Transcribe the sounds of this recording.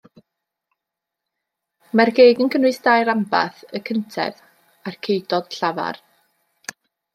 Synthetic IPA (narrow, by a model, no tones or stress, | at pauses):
marɡejɡənkʰənwɨsd̥ajɾamba̰θəkʰəntʰɛ̰ð | arkʰejdɔd̥ɬava̰r